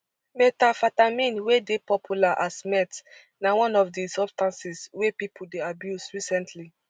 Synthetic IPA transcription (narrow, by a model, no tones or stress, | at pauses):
metafatamĩnwedepɔpʰjulaʔasmɛt | nawɔ̃nɔfdisɔbstãnsiswepipʰuldeabjusɹisɛ̃ntʰli